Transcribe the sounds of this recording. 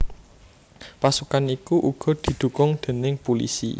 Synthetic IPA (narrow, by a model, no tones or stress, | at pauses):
pasukanikuʔuɡ̥ɔ̤d̪̥i̤d̪̥ṳkʊŋd̪̥e̤nɪŋpulḭsḭ